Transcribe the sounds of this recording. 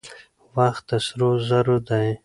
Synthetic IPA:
waxt̪ːasɾozaɾod̪aj

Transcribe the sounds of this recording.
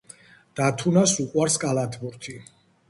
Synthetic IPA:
d̪̥at̪ʰunasuqʼwaɾskʼalat̪ʰbuɾt̪ʰi

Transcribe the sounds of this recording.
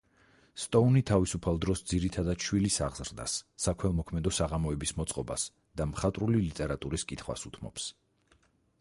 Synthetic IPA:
st̪ʼɔunit̪ʰavisupʰalˠd̪ɾɔsd̪ziɾit̪ʰad̪ad̪ʃwilisaʁz̥ɾd̪a̰sːakʰwɛlˠmɔkʰmɛd̪ɔsaʁamɔɛbismɔt̪sʼqʼɔba̰s | d̪̥amχat̪ʼɾulilit̪ʼɛɾat̪ʼuɾiskʼit̪ʰχwa̰sut̪ʰmɔ̰ps

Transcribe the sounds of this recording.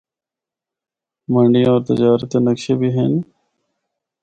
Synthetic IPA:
mə̃ɳɖĩɔːɾt̪ɪ̰d͡ʒaːɾət̪enəkʃeːbʱiːɦen

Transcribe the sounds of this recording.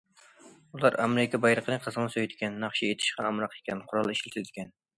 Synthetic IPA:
ulˠɑɾɑ̰meɾɪkʰʲɑbɑjɾəqʰənɨqʰəzəʁŋnɨsøjd̪ɪkʲɛnːɑχʃiet̪ʰɪ̥ʃqɑːmɾɑqekʲʰɛnqʰʊɾɑlˠɨiʃlt̪ʰɪld̪ɪ̥kʲʰɛn

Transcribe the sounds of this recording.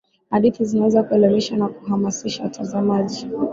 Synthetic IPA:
haɗiθizinawɛzakuɛlɛmiʃanaku̥ɦamasiʃatʰazamaʄi

